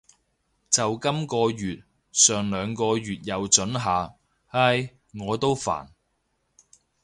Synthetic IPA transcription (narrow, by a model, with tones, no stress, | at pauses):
t͡sɐ˨wkɐ˥mkɔː˧jyː˨t̚ | sœː˨ŋlœː˨˧ŋkɔː˧jyː˨t̚jɐ˨wt͡ʃɵ˨˥nɦaː˨˧ | hɐ˧˥j | ŋɔː˨˧t̪o˥wfa̰ː˨˩n